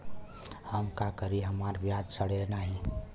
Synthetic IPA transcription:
həmkakəɾiɦəmaɾbjad̪səɽ̤enaɦi

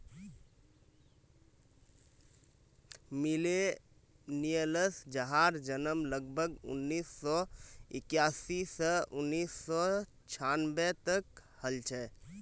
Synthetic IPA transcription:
mile | nijələsd͡ʒəɦaːɾd͡ʒənəmləɡbʱəɡʊ̰nːiːsːɔɪkjaːsisəʔʊnːiːsːɔ | t͡ʃʰanbɛt̪əkhəlt͡ʃʰɛ

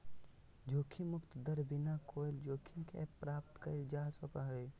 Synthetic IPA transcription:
d͡ʒoːkʰimʊkt̪d̪əɾbinakoːjld͡ʒoːkʰimkʰḛpɾaːpt̪kəeld͡ʒaːsopaɦoj

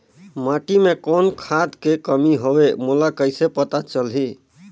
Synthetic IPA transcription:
maʈimekonkʰad̪kekəmiɦobemulakəjsepət̪at͡ʃəlɦi

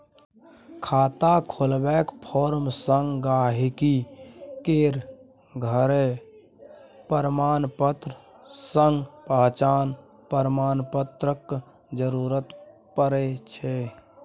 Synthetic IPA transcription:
kʰaːt̪akʰolbɛkpʰoɾmsəŋɡɡaːɦikikeɾ | ɡʱəɾe | pəɾmaːnpət̪ɾə | səŋɡpəɦt͡ʃaːn | pəɾmaːnpət̪ɾək | d͡ʒəɾuɾət̪ | pəɾɛt͡ʃʰɛ

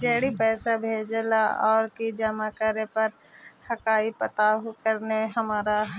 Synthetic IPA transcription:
d͡ʒeːɽipɛːsabʱeːd͡ʒelaɔ̰ːɾkid͡ʒəmakəɾepɐɾhəkaːipət̪aɦkəɾnemẽɦəmaːɾaɦ

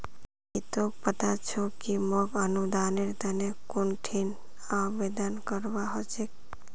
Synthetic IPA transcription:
it̪opət̪at͡ʃʰokimɔkənud̪aːneɾt̪ənekʊɳʈʰin | abed̪ənkəɾbaɦot͡ʃek̚

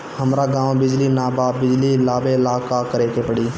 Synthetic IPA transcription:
həmɾaɡãːʋbɪd͡ʒlinaːbaːbɪd͡ʒlilaːbeɪlaːkakəɾeːkepəɽiː

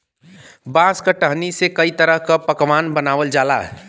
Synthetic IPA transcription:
bãskəʈəɦnisekəit̪əɾəɦkapəkʋanbənaːʋəld͡ʒalaɦɛ̰

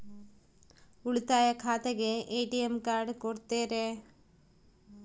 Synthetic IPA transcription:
uɭit̪aːjɐkʰaːt̪ɐɡeʔeːʈiemkaːɾɖkoɽt̪ːeːɾe

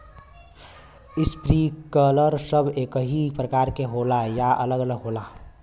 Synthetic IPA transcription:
ɪspɾikələɾsəbʱeːkəɦipɾəkaːɾkeɦoːlajaʔələɡələɡɦoːla

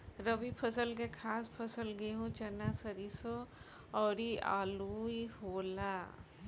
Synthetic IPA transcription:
ɾɐbipʰɐsəlɡekʰaːspʰɐsəlɡeɦũt͡ʃɐnaːsɐɾiso | ɔːɾia̰ːluːihoːlaː

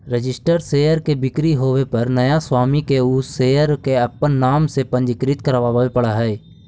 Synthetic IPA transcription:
ɾəd͡ʒɪsʈəɾseːəɾkebɪkɾiɦoːwepɐɾnɐjaswaːmikeʊːseːəɾkeɐpənːaːmsepə̃ɲd͡ʒɪkɾɪt̪kəɾʋaːʋepɐɽaɦɛː

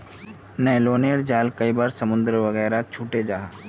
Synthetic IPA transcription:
nɛːloːneəɽd͡ʒaːlkɐibaːɾsɐmʊ̃nd̪ɾəʋɐɣɛːɾat͡ʃʰuːʈed͡ʒaːɦa

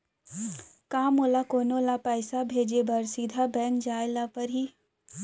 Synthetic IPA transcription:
kaːmolakoːnoːlapɛːsabʱeːd͡ʒebɐɾsid̪ʱabɛ̃ːŋkd͡ʒaːɪlapɐɾɦiː

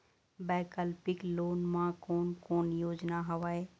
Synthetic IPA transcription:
baːkəlpɪkloːnmãkoːnkoːnjoːd͡ʒnaɦɐʋaːeː

